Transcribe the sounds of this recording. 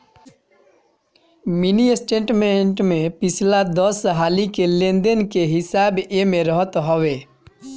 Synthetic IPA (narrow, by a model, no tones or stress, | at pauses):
miniesʈẽːʈmẽɳʈmẽpɪsʰlad̪ɔsɦaːlikelẽnd̪ənkeɦɪsaːbemẽɾəɦət̪ɦɔweː